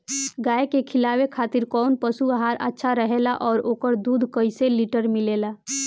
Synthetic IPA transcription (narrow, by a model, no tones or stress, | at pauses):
ɡaːekekʰɪlaːwekʰaːt̪ɪɾkɔːnpəsuəɦaːɾʔə̰tːʃʰaɾəɦeːlaʔɔːɾoːkəɾd̪uːd̪ʱkəiseliʈəɾmɪleːlaː